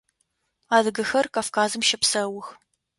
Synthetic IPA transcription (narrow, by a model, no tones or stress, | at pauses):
aːdɨɡɐxɐrkaːfkʰaːzɨmʃɐpsɐwʊx